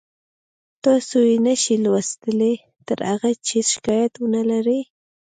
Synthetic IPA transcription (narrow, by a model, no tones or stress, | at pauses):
t̪ɑsojinaʃilwast̪əle | t̪əɾaɣat͡ʃɪsʃɪ̥kɑjat̪wʊnalaɾe